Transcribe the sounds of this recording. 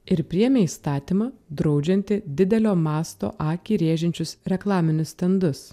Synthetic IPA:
ɪɾpʲɾʲiɛmʲeːiːst̪ɑːt̪ʲimɑːd̪ɾɒʊd͡ʒʲɛnʲt̪ʲɪd̪ʲɪd̪ʲɛlʲoːmɑːst̪o̰ːʔɑːkʲiːɾʲeːʒʲɛnʲt͡ʃʲʊsɾʲɛklˠɑːmʲɪnʲʊst̪ʲɛnd̪ʊs

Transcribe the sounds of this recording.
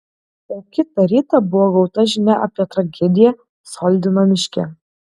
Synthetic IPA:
ɛkʲɪt̪ɐɾʲiːt̪ɐbʊɔɡɔʊt̪ɐʒʲɪnʲæʔɐpʲiɛt̪ɾɐɡʲɛd̪ʲɪjɛ | sɔːlʲd̪ʲɪnomʲɪʃʲkʲɛ̰

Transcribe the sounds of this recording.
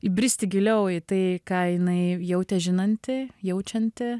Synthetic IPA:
ɪbʲɾʲɪsʲt̪ʲɪɡʲɪlʲɛʊɪt̪ɐɪkɑːjɪnɐɪjɛʊt̪ʲɛʒʲɪnɐnʲt̪ʲɪjɛʊt͡ʃʲɛnʲt̪ʲɪ

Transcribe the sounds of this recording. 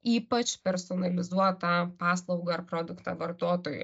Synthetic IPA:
iːpɐt͡ʃpʲɛɾsɔːnɐlʲɪzuɔt̪ɐpɑːslˠɐʊɡɐɐrpɾoːd̪ʊkt̪ɐ̰ʋɐɾt̪oːt̪oːjʊ̰

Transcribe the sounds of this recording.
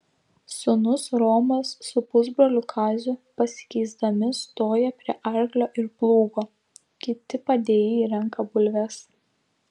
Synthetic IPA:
sʊnʊsɾoːmɐsːʊpʊzbɾoːlʲʊkʰɑːzʲʊpɐsʲɪ̥kʲɛɪzd̪ɐmʲɪst̪oːjɛpʲɾʲiɛʔɐɾʲɡlʲoːʔɪɾplˠuːɡoː | kʲɪt̪ʲɪpɐd̪ʲeːjɛiɾʲɛŋˑkɐbʊlʲʋʲɛs

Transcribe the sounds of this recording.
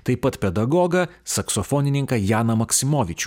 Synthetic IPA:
t̪ɐɪpɐt̪pʲɛd̪ɐɡɔːɡɐsɐksɔfɔːnʲɪnʲɪŋkɐjaːnɐmɐksʲɪmoːʋʲɪt͡ʃʲu̥

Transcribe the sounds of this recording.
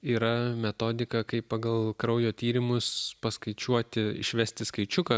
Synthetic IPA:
iːɾɐmʲɛt̪oːd̪ʲɪkɐkɐɪppɑɡɐlˠkɾɐʊjoːt̪ʲiːɾʲɪmʊspɐskɐɪt͡ʃʲuɔt̪ʲɪɪ̰ʃʲʋʲæsʲt̪ʲɪskɐɪt͡ʃʲʊkɐ

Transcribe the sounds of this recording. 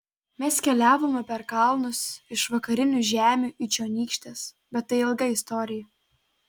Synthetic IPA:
mʲɛskʲɛlʲæːʋoːmʲɛpʲɛɾkɐlˠnʊsɪʃʋɐkɐɾʲɪnʲuʒʲæːmʲuːʔit͡ʃʲoːnʲiːkʃʲt̪ʲeːs | bʲɛt̪tːɐɪɪlˠɡɐɪst̪ɔːɾʲɪjɛ

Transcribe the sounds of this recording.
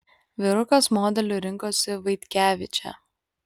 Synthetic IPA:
ʋʲɪɾʊkɐsmoːd̪ʲɛlʲuɾʲɪŋkoːsʲɪʋɐɪt̪ʲkʲæːʋʲɪt͡ʃʲɛ̰

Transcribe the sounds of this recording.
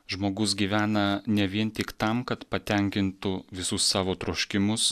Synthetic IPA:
ʒmoːɡʊsɡʲiːʋʲæːnɐnʲɛʋʲiɛnt̪ʲɪkt̪ɐmkɐt̪pɐt̪ʲɛˑŋʲkʲɪnt̪ʊʋʲɪsʊsːɑːʋoːt̪ɾoːʃʲkʲɪmʊs

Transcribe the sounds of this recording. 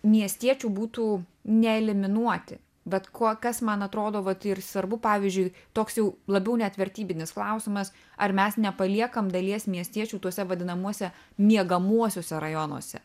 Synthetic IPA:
mʲiɛsʲt̪ʲiɛt͡ʃʲuːbuːt̪uːnʲɛɛlʲɪmʲɪnuɔt̪ʲɪ | bʲɐt̪kʰoːkɐsmɐnɐt̪ɾoːd̪oːʋɐt̪ɪrsʋɐɾbʊpɑːʋʲiɪzʲd͡ʒʲʊɪt̪oːksjɛʊlˠɐbʲɛʊnʲɛt̪ʲʋʲɛɾʲt̪ʲiːbʲɪnʲɪsklˠɐʊsʲɪmɐs | ɐɾmʲɛsnʲɛpɐlʲiɛkɐmd̪ɐlʲiɛsmʲiɛsʲt̪ʲiɛt͡ʃʲuːt̪uɔsʲɛʋɐd̪ʲɪnɐmuɔsʲɛ | mʲiɛɡɐmuɔsʲoːsʲɛɾɐjonṵɔsʲɛ̰

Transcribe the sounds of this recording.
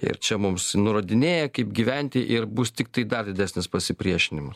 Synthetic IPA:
ɪ̰ɾt͡ʃʲɛmʊmsnʊɾɐd̪ʲɪnʲeːjɛkɐɪpɡʲiʋʲɛnʲt̪ʲɪʔɪɾbʊst̪ʲɪkt̪ɐɪd̪ɐrd̪ʲɪd̪ʲæsʲnʲɪspɐsʲɪpʲɾʲiɛʃʲɪnʲɪmɐs

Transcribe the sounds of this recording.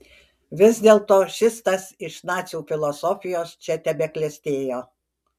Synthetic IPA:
ʋʲɪzʲd̪ʲeːlˠt̪oːʃʲɪst̪ɐsɪʃnɑːt̪sʲuːfʲɪlˠɔsɔfʲɪjoːst͡ʃʲɛt̪ʲɛbʲɛkʲlʲɛsʲt̪ʲeːjoː

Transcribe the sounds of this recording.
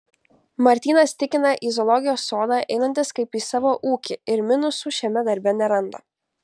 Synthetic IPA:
mɐɾʲt̪ʲiːnɐst̪ʲɪkʲɪnɐʔizɔlˠɔɡʲɪjoːsːoːd̪ɑːʔɛɪnɐnʲt̪ʲɪskɐɪpiːsɑːʋoːʔuːkʲɪɪɾmʲɪnʊsuːʃʲɛmʲɛd̪ɐɾʲbʲɛnʲɛɾɐnd̪o̰ː

